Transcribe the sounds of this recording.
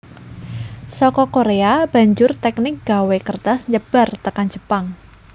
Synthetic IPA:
sɔkɔkoɾeab̥a̤ɲd͡ʒʊrt̪ɛknɪk̚ɡ̥a̤wekərt̪asɲəb̥a̤rt̪əkand͡ʒə̤paŋ

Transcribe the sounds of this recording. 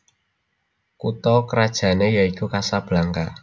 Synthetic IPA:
kut̪ɔkəɾad̥ʒ̥a̤nejaikukasab̥laŋka

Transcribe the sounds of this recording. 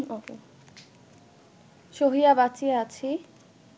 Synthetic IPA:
o | ʃoɦijabat͡ɕieat͡ɕʰi

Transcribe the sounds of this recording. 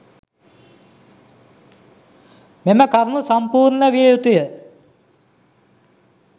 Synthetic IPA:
meməkaɾunusampuːɾnəʋijejut̪ujə

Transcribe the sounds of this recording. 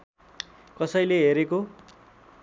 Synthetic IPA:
kʌsʌjleɦeɾeko

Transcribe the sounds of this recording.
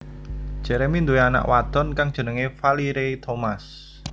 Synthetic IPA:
d̥ʒ̥ɛ̤ɾemind̪ueana̰ʔwat̪ɔnkaŋdʒ̥ə̤nəŋefaliɾet̪ʰomas

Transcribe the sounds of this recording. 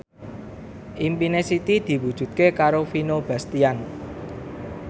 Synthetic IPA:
ʔimpinesit̪id̪̥i̤wud̥ʒ̥ṳt̪̚kekaɾofinob̥ä̤st̪ian

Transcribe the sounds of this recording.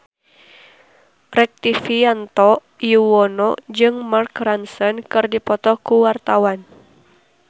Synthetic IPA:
rɛk̚t̪ifiant̪ɔʔ | juwɔnɔd͡ʒɨŋmarkransɔnkɨrdipɔt̪ɔkuwart̪awan

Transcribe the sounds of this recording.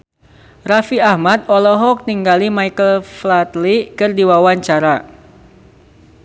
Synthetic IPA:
rafiahmat̪̚ɔlɔɦɔk̚niŋɡalimajkəlflat̪likɨrdiwawaɲt͡ʃaɾa

